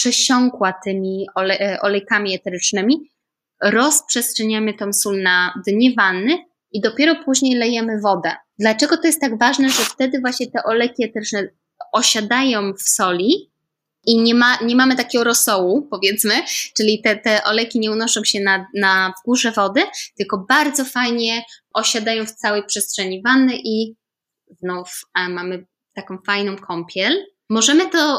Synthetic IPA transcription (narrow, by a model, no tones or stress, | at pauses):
pʂɛɕɔŋkwat̪ɘmʲiɔlɛʔɔ̰lɛjkamʲiɛt̪ɛɾɘt͡ʂnɘmʲi | ɾɔspʂɛstʂɛɲamɘt̪ɔmsulnad̪ɲɛvanːɘ | id̪ɔpʲjɛɾɔpuʑɲejlɛjɛmɘvɔd̪ɛd̪lat͡ʂɛɡɔt̪ɔjɛst̪ːaɡvaʐnɛʐɛft̪ɛd̪ɘvwaɕɲɛt̪ɛʔɔlɛjkʲiɛt̪ɛɾɘt͡ʂnɛ | ɔɕad̪ajɔ̃w̃fsɔlʲi | iɲɛmaɲɛmamɘt̪akʲɛɡɔɾɔsɔwupɔvʲjɛt̪smɘt͡ʂɘlʲit̪ɛt̪ɛʔɔlɛjkʲiɲɛunɔʂɔ̃w̃ɕɛnanavɡuʐɛvɔd̪ɘt̪ɘlkɔbaɾd̪zɔfajɲɛʔɔɕad̪ajɔ̃w̃ft̪sawɛjpʂɛstʂɛɲivanːɘʔi | znufmamɘ | t̪akɔ̃w̃fajnɔ̃w̃kʰɔmpʲʰjɛl | mɔʐɛmɘt̪ɔ